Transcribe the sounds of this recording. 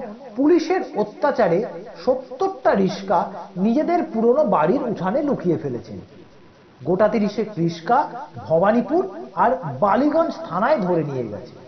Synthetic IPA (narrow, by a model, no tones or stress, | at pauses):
puliʃeɾot̪ːat͡ɕaɾeʃot̪ːoʈʈaɾiʃkanid͡ʑed̪eɾpuɾonobaɽiɾuʈʰanelukʰijefelet͡ɕʰḛn | ɡoʈat̪iɾiʃekɾiʃkabʱɔbanipuɾaɾbaliɡɔnst̪ʰanaed̪ʱoɾenijḛɡɛ̰t͡ɕʰe̥